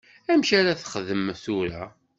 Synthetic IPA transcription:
æmʃaɾaθə̥χəðəmθuɾæ

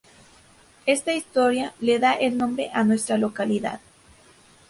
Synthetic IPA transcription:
e̞st̪aist̪o̞ɾjaleðaʔelnõ̞mbɾe̞̰ʔanwe̞st̪ɾalo̞kaliða̰ð

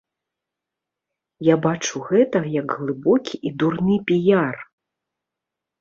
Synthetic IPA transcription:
jabat͡ʂuɣɛt̪ɐɣɐjɐɡɣlˠɨbɔkʲiʔid̪urnɨpʲijar

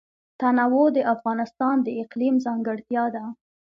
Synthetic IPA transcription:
t̪anawod̪əʔafɣɑnɪst̪ɑnd̪əɪqlimzɑŋɡəɽt̪jɑd̪a

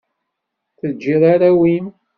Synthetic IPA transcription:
θəd͡ʒːiðˤaɾawim

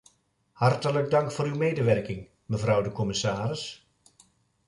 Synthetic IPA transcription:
hɑrtələɡ̚dɑŋkfoːɾywmeːdəʋɛrkɪŋ | məvrɔwdəkɔmɪsaːɾɪs

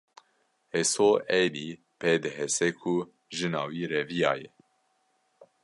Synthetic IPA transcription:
hɛsoːʔɛd̪iː | peːd̪ɨɦɛsɛkʰu | ʒɨnɑːwiːɾɛvijɑ̰ːjɛ

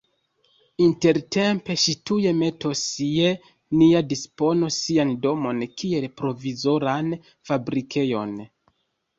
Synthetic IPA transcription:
inte̞ɾte̞mpe̞ʃituje̞me̞to̞sie | niadispo̞nosiando̞mo̞nkie̞lpɾo̞vizo̞ɾan | fabɾikʰe̞jo̞n

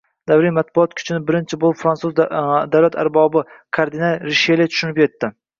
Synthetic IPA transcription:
d̪awɾimat̪̚bʊɒt̪kʲʰʊ̥t͡ʃʰɪnɪbɪɾɪnt͡ʃʰɪbolˠɪpfɾansuzd̪awlat̪ʰa̰ɾbɒbɪkʰaɾd̪ɪnalɾɪʃelɪt̪ʰʊ̥ʃʊnɪpje̞t̪ːɪ

